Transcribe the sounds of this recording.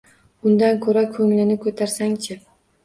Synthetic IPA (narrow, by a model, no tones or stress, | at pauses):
ʊnd̪ankʲʰɵɾakʰɵŋlɪnɪkʰɵt̪ʰaɾsaŋt͡ʃʰɪ